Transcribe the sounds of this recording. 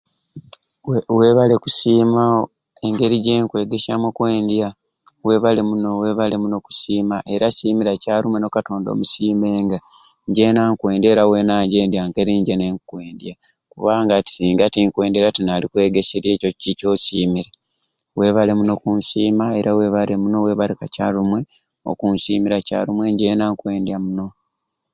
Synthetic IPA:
we̞βale̞ku̥siːmao | e̞ŋɡe̞ɾiɟeːŋkwe̞ːɡe̞samokwe̞ːndja | we̞ːβale̞muno̞we̞ːβale̞muno̞ku̥siːmaʔe̞ɾasiːmiɾacaːɾumeno̞kato̞ːndo̞̰ːmusiːmbe̞ːŋɡa | ɲɟenaŋkwe̞ːnde̞ːɾawe̞naːɲɟe̞ːndjaŋkeɾiɲɟeneŋkwe̞ːndja | kuβaːŋɡati̥siːŋɡatiŋkwe̞ːndeɾatinaːlikwe̞ːɡeseɾjeːco̞cico̞ːsiːmiɾe | we̞ːβale̞muno̞kunsiːmae̞ɾawe̞ːβalemuno̞we̞ːβalekaca̰ːɾumwe̞ | o̰kunsiːmiɾaca̰ɾumwe̞ɲɟe̞ːnaŋkwe̞ːndjamuno̞

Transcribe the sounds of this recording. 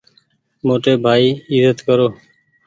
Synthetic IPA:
moʈebʱaiizət̪kɔɾoː

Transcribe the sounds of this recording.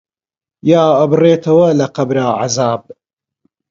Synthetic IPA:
jaːɐbɨreːt̪ʰɐwɐlɐqɐbɾaːʕa̰zaːb̚

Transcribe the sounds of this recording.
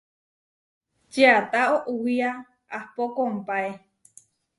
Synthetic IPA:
d͡ʒeat̪aoʔuwia | ahpokompae

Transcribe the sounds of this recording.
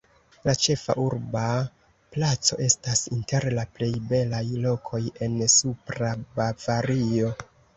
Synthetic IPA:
lat͡ʃe̞fa̰ʔuɾba | plat͡so̞̰ʔe̞stasinte̞ɾlaple̞jbe̞lajlo̞kʰo̞je̞nsupɾabavaɾio̞

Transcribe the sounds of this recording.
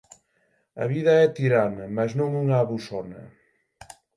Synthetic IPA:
ɐ̰βiðɐɛt̪iɾanɐmaznõŋuŋaːβusɔnɐ̰

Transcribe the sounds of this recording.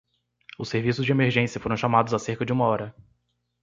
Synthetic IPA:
ʊseɾvisʊzd͡ʒɪemeɾʒẽsjɐfoɾɐ̃ʃamad̪ʊzaseɾkɐd͡ʒɪũmɐɔɾɐ

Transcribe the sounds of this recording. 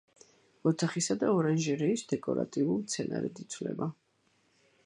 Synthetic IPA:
ɔt̪ʰaχisad̪aɔɾanʒɛɾɛisd̪ɛkʼɔɾa̰t̪ʼiulˠt̪sʰɛnaɾɛ̰d̪it̪sʰvlɛ̰ba

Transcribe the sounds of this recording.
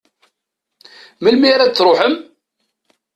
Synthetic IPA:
məlmiɾæd̪t͡sːɾˤoħəm

